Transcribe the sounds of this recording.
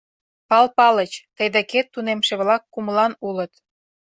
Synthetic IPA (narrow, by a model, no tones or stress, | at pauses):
pɑlpɑlət͡ɕt̪əjd̪eket̪ːunemʃeβlɑkːuməlɑnulət̪